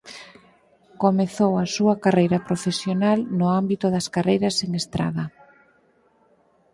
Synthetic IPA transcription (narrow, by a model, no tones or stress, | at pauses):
komeθowɐsuɐkarejɾɐpɾofesjonalnʊambit̪ʊðɐskarejɾɐseŋest̪ɾa̰ðɐ